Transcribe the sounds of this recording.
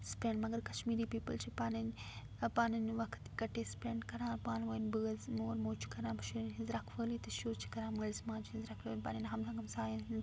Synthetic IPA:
spẽːɳɖmɐɡɐɾkɐʃmiːɾiːpiːpəlt͡ʃʰipaːnn | paːnɐnʋɐkʰt̪kɐʈeːspẽːɳɖkɐɾãːɾpaːnʋonbɨːzmoːɾmoːt͡ʃʰi̥kɐɾãːbɐʃuɾnɦɪzɾaːkʰʋəːlit̪ɐʃuːɾt͡ʃʰi̥kɐɾãːməlzmãːnt͡ʃʰiɪzɾaːkʰəːnpa̰ːninɦɐmsãːɡɐmsaːjɐn

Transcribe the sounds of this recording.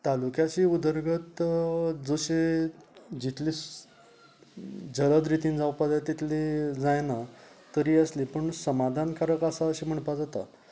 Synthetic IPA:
t̪alukjat͡ɕiud̪əɾɡʱət̪ | d͡zoɕe | d͡ʑit̪ʰli | d͡zələd̪ɾit̪ĩːnd͡zawpad͡zajt̪it̪ʰlid͡zajna | t̪əɾiːəslipəɳsəmad̪ʱankaɾəkasaəɕim̤əɳpad͡zat̪a̰

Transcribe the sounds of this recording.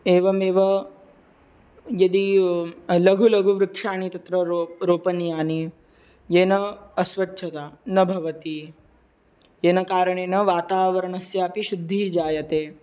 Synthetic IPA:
eːʋɐmeːʋɐ | jɐd̪i | lɐɡʱulɐɡʱuʋɾɪkʂaːɳit̪ɐt̪ɾɐɾɾoːpɐnjaːni | jeːnɐɐsʋɐtːʃʰɐt̪aːnɐbʱɐʋɐt̪i | jeːnɐkaːɾɐɳ̃eːnɐʋaːt̪aːʋɐɾɐɳɐsjaːpiʃud̪ʱːid͡ʒaːjɐt̪eː

